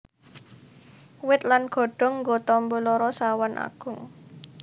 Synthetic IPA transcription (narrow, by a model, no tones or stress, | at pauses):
wɪt̪̚lanɡ̥o̤ɖ̥ɔ̤ŋːɡɔt̪ɔmbɔlɔɾɔsawanʔa̰ɡ̥ʊ̤ŋ